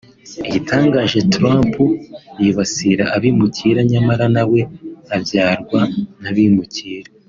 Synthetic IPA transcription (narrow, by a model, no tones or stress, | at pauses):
iɟitʰaːŋɡaːʒe̞tɾaːmpujiβasiɾaaβimuciːɾaɲamaɾanawe̞avjaːɾɡwanaβimuciːɾa